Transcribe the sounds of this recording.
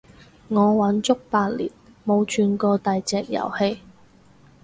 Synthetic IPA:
ŋɔː˨˧wɐ˨˥nt͡sʊ˥k̚paː˧t̚lḭː˨˩nmo˨˧wt͡ʃʰyː˧nkɔː˧t̪ɐ˨jt͡sɛː˨k̚jɐ̰˨˩whe˧j

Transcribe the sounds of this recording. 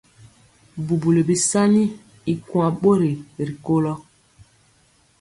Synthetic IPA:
bu˨bu˨le˨bi˨sa˦ni˦ | i˨kwa˨ɓo˦ɾe˨ɾi˨ko˦lɔ˦

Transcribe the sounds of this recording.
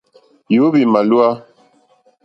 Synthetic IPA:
jo˨˦bi˨ma˨lu˦a˦

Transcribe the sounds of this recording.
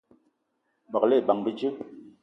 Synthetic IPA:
ba˨le˦˨ba˨ŋbi˦d͡ʒi˦

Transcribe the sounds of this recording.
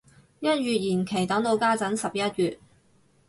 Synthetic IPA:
jɐ˥t̚jyː˨t̚jiː˨˩nkʰe˨˩jt̪ɐ˨˥ŋt̪o˧wkaː˥t͡sɐ˨˥nsɐ˨p̚jɐ˥t̚ɥyː˨t̚

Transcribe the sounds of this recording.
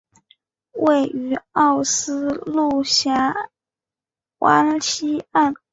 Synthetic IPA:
we˥˩ɪy˧˥ɑ˥˩ʊsɹ̩˥lu˥˩ɕja˥ | wʔa̰˧˥nɕi˥a˥˩n

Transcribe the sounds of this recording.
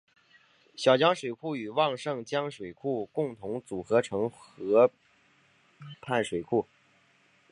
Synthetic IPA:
ɕjɑ˨˩ʊt͡ɕjɑ˥ŋʂwe˨˩ɪkʰu˥˩y˨˩wɑ˥˧ŋʂɤ˥˩ŋt͡ɕjɑ˥ŋʂwe˨˩ɪkʰu˥˩kʊ˥˩ŋt̪ʰʊ˧˥ŋt͡su˨˩xɤ˧˥ʈ͡ʂʰɤ˧˥ŋxɤ˧˥ | pʰa˥˩nʂwe˨˩ɪkʰu˥˩

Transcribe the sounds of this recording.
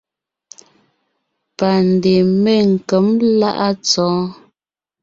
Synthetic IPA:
pa˨n˨de˨me˦˨ŋ̩˨kə˨˦mla˦ʔa˦t͡sɔː˨˦

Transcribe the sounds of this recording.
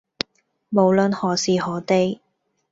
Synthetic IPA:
mo˨˧wlɵ˨˧nhɔː˨˩siː˨˧ɦɔː˨˥t̪e˧j

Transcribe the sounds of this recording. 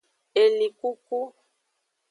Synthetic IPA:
e˨li˨ku˦ku˦

